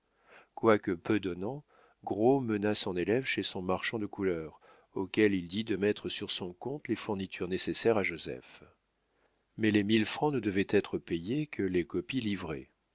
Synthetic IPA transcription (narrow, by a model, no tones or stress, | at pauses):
kwakəpød̪ɔnɑ̃ | ɡʁomənasɔ̃nelɛvʃesɔ̃maʁʃɑ̃d̪əkulœʁ | okʲɛlild̪id̪əmɛt̪χəsyʁsɔ̃kɔ̃t̪lefuʁnit̪ʰyʁnesesɛʁaʒozɛ̰f | mɛlemilfχɑ̃nəd̪əvɛt̪ɛt̪χəpejekʰəlekɔpilivʁɛ̰